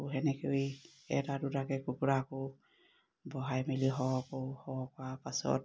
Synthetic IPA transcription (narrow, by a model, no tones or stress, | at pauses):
ɦɛnɛkewi | ɛ̰tadutakɛkukɹako | bɔɦajmiliɦɔwkɔhɔkɔapasɔ̰t̚